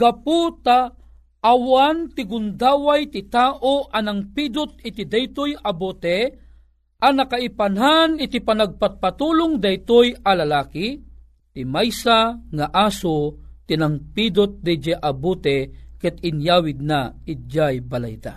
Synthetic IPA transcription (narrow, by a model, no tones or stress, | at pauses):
ɡ̥aput̪a | ʔːwant̪ɪɡʊnd̪aːwajt̪ɪt̪aːʔoʔanaŋpid̪ʊt̪̚ɪt̪id̪ajt̪ojabot̪ɛ | ʔanakaipanɦanɪt̪ipanaɡ̚pat̪̚pat̪uːlʊŋd̪ɐjt̪ojalalaːki | t̪ɪmajsaŋaʔaːsot̪inaŋpid̪ot̪̚d̪ɛd͡ʒɛʔabut̪ɛkɛt̪ɪnjaːwɪd̪̚naɪd͡ʒajbala̰jd̪a̰